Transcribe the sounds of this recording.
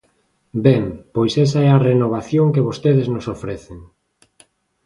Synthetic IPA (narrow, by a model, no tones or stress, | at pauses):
bɛŋpojsɛsaɛarenoβ̞aθjoŋkeβost̪eðɪznosofɾɛθeŋ